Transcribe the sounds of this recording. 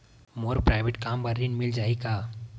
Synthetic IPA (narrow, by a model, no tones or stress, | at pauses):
moːɾpɾaɪʋeʈkaːmbəɾːinmɪld͡ʒaːikaː